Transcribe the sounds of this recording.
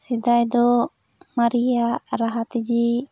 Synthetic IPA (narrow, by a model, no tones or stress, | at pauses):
sid̪ajd̪ɔ | maɾijaɾaɦat̪id͡ʒi